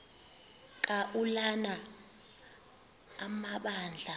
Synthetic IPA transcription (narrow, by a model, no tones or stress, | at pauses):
kʼaʔulana | maɓaːnd͡ɮʱa